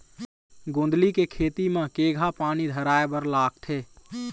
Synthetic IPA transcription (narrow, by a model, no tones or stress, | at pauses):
ɡõnd̪likekʰet̪imekeɡʱapaːnid̪ʱəɾaːebəɾlaːk̚ʈ̪ʰe